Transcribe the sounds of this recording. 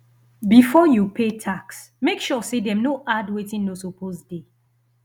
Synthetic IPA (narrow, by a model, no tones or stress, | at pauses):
bifɔjupʰetʰaks | mekʃɔsedɛnoʔadwetĩnːosopʰosde